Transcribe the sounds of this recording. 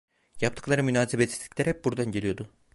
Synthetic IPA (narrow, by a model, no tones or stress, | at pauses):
japt̪ʰɯklˠaɾɯmynaːsebet̪si̥t̪ʲːicʲlʲɛɾhɛp̚buɾd̪anɟeijo̞d̪ʊ